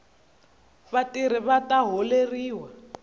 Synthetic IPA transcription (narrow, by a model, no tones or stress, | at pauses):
βatiɾ̤iβataɦoleriːwa